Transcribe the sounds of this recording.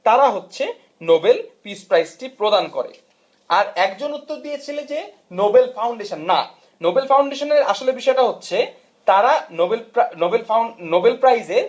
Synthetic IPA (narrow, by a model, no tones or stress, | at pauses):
t̪aɾaɦotːɕʰe | nobelpispɾajzʈipɾod̪ankoɾḛ | aɾɛkd͡ʑonut̪ːoɾd̪ijet͡ɕʰiled͡ʑe | nobelfawɳɖeʃanːa̰ | nobelfawɳɖeʃoneɾaʃolebiʃɔeʈaɦotːɕʰe | t̪aɾaobelnobelfnobelpɾajzeɾ